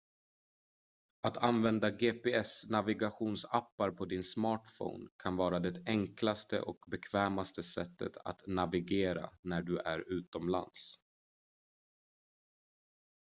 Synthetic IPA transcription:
at̪ʰanvɛnd̪aɡeːpeːɛsnavɪɡaɧuːnsapːaɾpʰɔd̪ɪnsmɑːʈfɔ̰ːnkʰanvɑːɾad̪ɛt̪ɛŋklast̪ə̰ʔɔkbɛkʰvɛːmast̪əsɛt̪ːə̰t̪ʰa̰t̪navɪɡeːɾa̰næɖɵʔæɾʉ̟ːt̪ɔmla̰nd̪s

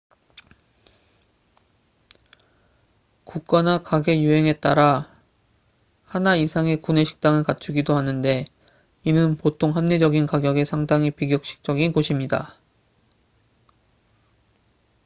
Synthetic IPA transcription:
kuk̚k͈anakaɡe̞juɦe̞ŋe̞t͈a̰ɾa | hanaisʰaŋe̞kune̞ɕʰi̥k̚t͈aŋɯɭkat͡ɕʰuɡidohanɯnde̞ | inɯnpotʰoŋɦamned͡ʑʌɡinkaɡjʌɡe̞sʰaŋdaŋipiɡjʌk̚ɕ͈i̥k̚t͡ɕ͈ʌɡinkoɕʰimɲida̰

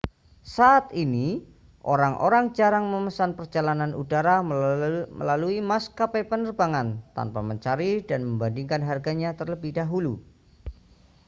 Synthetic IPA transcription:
saːt̪ini | ʔoɾaŋʔo̰ɾaŋd͡ʒaɾaŋməməsanpərd͡ʒalananudaɾa | mə̰laluimaskapepənərbaŋant̪a̰npaməɲt͡ʃaɾidanməmbandiŋkanɦarɡaɲat̪ərləbɪhdaɦulu

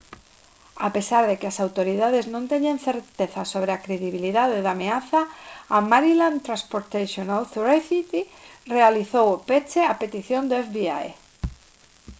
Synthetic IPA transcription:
apesaɾðekeasawt̪oɾiðaðeznõnt̪eɲãnθeɾt̪eθasoβ̞ɾeakɾeðiβiliðaðeðameaθaːmaɾilãnt̪ɾãspoɾt̪aʃonalθuɾaθit̪irealiθowopet͡ʃeapet̪iθjond̪oɛfβia̰j

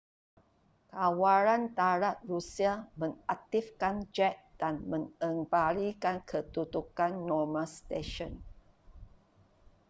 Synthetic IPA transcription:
kawaɾant̪aɾat̪̚rusiamə̃ŋak̚t̪ifkand͡ʒɛt̪̚d̥anmə̃ŋəŋbalikankʰət̪ut̪ukanːɔmast̪eʃɔn

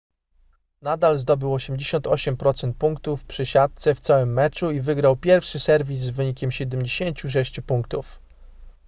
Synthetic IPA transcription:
nad̪alzd̪ɔbɘwɔɕɛmd͡ʑeɕɔnt̪ɔɕɛmpɾɔt̪sɛnt̪̚puŋkt̪ufpʂɘɕat̪̚t̪sɛft̪sawɘmːɛt͡ʂuivɘɡɾawpʲjɛɾfʂɘsɛɾvʲis̬ːvɘɲikʲɛmɕɛd̪ɛmʲd͡ʑeɕeɲt͡ɕuʂ̬ɛɕt͡ɕupuŋkt̪uf

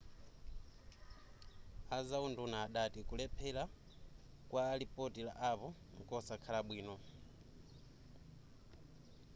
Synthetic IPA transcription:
azaundunaːɗatikulɛpʰɛla | kwʔaːlipʼotila̰ʔaβɔ | ŋkʼɔsakʰalaɓwiːnɔ

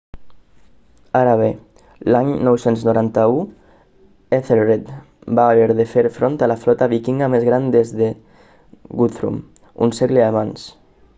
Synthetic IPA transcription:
aɾaβe | laɲnɔwsenznoɾant̪au | eθelret̪ | baːβeɾðefeɾfɾont̪alafɾɔt̪aβikiŋɡamezɣɾand̪ezðe | ɡut̪ɾṵm | ṵnseɣleaβans

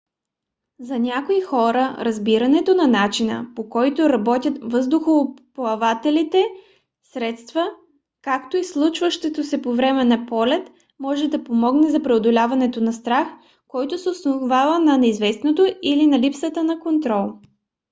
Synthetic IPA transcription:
zɐnʲakoixɔɾəɾɐzbiɾɐnɛt̪onɐnat͡ʃinə̰pokɔjt̪oɾɐbɔt̪ʲjət̪vɤzd̪ʊxoplˠɐvat̪ɛlit̪ɛ | sɾɛt̪st̪və | kakt̪oislˠut͡ʃvəʃt̪ɛt̪osɛpovɾɛmɛnɐpɔlɛt̪ | mɔʒɛd̪ɐpomɔɡnɛzɐpɾɛod̪olʲavɐnɛt̪onɐst̪ɾax | kɔjt̪osɛosnovavənɐnɛizvɛsnot̪oilinɐlipsət̪ənɐkont̪ɾɔlˠ

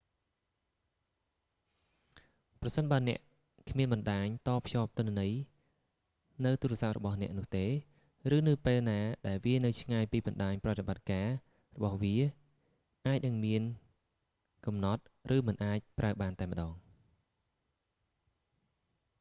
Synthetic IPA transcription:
prɑsənɓaənɛ̆əʔ | kʰmiənɓɑnɗaːɲt̪ɑːpʰːjɑːp̚t̪ʊ̆ənənəj | nɨwt̪uːɾɛ̆əsap̚rɔ̰ɓɑhnɛ̆əʔnʊ̆əht̪eː | rɨːnɨwpeːlnaːɗaɛlʋiənɨwt͡ɕʰŋaːjpiːɓɑnɗaːɲprɑt̪eɓat̪̚kaː | rɔɓɑhʋiə | ʔaːc̚nɨŋmiən | kɑmnɑt̪̚rɨːmɨnʔaːc̚prʔaəɓaːnt̪aɛmə̆ɗɑːŋ

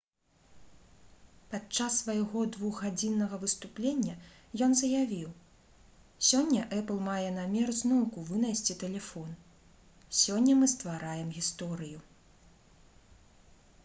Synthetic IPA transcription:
pat͡ʂːasːvɐjaɣɔd̪vuɣɣːad͡zʲinːɐɣɐvɨst̪uplʲenʲːɐ | jɔnzɐjavʲiw | sʲɔnʲːɐʔɛplˠmajɛnamʲɛrznɔwkuvɨnajsʲt͡sʲit̪ɛlʲɛfɔn | sʲɔnʲːɐmɨst̪vaɾajɛmɣʲist̪ɔɾɨju

